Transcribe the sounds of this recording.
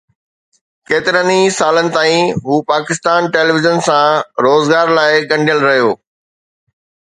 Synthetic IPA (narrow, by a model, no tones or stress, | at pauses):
keːt̪ɪɾənisaːlənɪ̆t̪aːĩɦuːpaːkɪst̪aːnʈeːliʋɪzənsãɾoːzɡaːɾlaːɪɡɐ̃ɳɖʱjəlɾɐɦijoː